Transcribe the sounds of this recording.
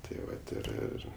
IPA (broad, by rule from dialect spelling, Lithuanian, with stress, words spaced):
tɐɪ ˈʋɐt ɪr ˈɪr